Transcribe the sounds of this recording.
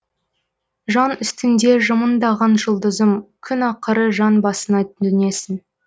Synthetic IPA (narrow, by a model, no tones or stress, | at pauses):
ʒɑnʏst̪ɪnd̪e̞ʒəmənd̪ɑʁɑnʒəlˠd̪əzəmkʲʰʏnɑqəɾəʒɑnbɑsənɑt̪ɪne̞sɪn